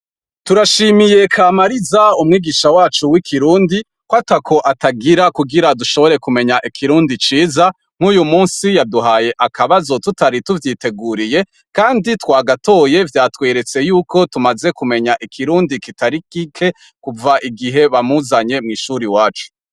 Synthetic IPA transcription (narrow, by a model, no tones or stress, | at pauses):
tuɾaʃimije̞kʰaːmaɾizaumŋiːɡiʃawaːt͡ʃuwikʰiɾuːndi | kwatakʰo̞ʔataɡiɾakuɡiɾaduʃo̞βo̞ɾe̞kume̞ɲaʔikʰiɾuːndit͡ʃiːza | ŋ̥uːjumuːnsijaduɦaːje̞ʔakʰaβazo̞tutaɾituvjiːte̞ɡuːɾije̞ | kaːnditwaːɡato̞je̞vjaːtweːɾe̞t͡se̞juːkʰo̞tumaze̞kume̞ɲaʔikʰiɾuːndikitaɾikikʰe̞ | kuvaʔiɡiɦe̞βamuzaɲe̞mŋiːʃuːɾiwaːt͡ʃu̥